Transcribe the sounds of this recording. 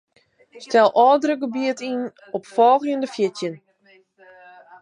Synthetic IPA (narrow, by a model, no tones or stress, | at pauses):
stɛlˠʔɔːdrəɡəbiətin | ɔpfɔːɣjəndəfjɪtjən